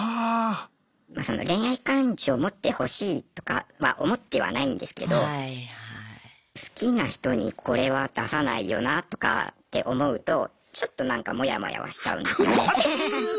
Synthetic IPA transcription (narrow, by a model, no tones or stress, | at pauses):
a | maso̞no̞̰ɾẽ̞ɰ̃aikãɲd͡ʑio̞mo̞t̪ːe̞ho̞ɕiːt̪o̞̥kaβaʔo̞mo̞t̪ːe̞βa̰naĩnd̪e̞sɨ̥ke̞d̪o̞a | sɨ̥kʲinaçi̥t̪o̞ɲ̟ḭkʰo̞ɾe̞βad̪̥asana̰ijo̞̰nat̪o̞̥ka̰t̪ːe̞ʔo̞mo̞ɯ̟t̪o̞ | t͡ɕo̞t̪ːo̞nãŋkamo̞jamo̞̰ja̰βa̰ɕi̥t͡ɕa̰ɯ̟̃nd̪e̞sɨjo̞ne̞